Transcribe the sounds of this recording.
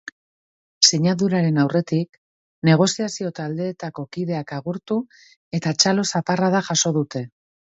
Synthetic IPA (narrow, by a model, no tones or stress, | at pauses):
seɲaðuɾaɾe̞nawre̞t̪ik | ne̞ɣ̞o̞siasio̞t̪ald̪e̞ːt̪ako̞kiðe̞akaɣuɾt̪u | e̞t̪at͡ʃalo̞saparaðaʝaso̞ðut̪e̞